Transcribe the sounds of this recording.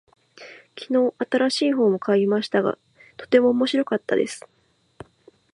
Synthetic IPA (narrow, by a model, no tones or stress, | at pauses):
kʲino̞ːʔat̪aɾaɕiːɦo̞ːmo̞kaimaɕi̥t̪aɡa̰ | t̪o̞̥t̪e̞mo̞ːmo̞ɕiɾo̞kat̪ːa̰d̪e̞sɨ̥